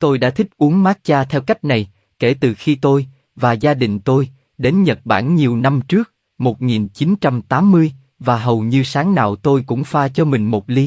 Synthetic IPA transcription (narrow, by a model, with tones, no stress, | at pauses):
t̪o˧jɗa̰ː˧˥t̪ʰi˦˥k̚ʔu˨˦əŋmaː˦˥t̚t͡ɕaː˧t̪ʰɛ˧wka˦˥jk̟̚na˨˩j | ke˧˩t̪ɨ˨˩xi˧t̪o˧j | vaː˨˩zaː˧ɗï˨˩ŋ̟t̪o˧j | ɗe˨˦nɲə˨˩t̚ɓa̰ː˧˩nɲi˨˩əwna˧mt͡ɕɨ˦˥ək̚ | mo˨˩t̚ŋi˨˩nt͡ɕi˨˦nt͡ɕa˧mt̪aː˨˦mːɨ˧əj | vaː˨˩ɦə˨˩wɲɨ˧saː˨˦ŋna̰ː˧˨wt̪o˧jkʊ̰˧˥ŋ͡mfaː˧t͡ɕɔ˧mï˨˩ŋ̟mo˨˩t̚li˨˦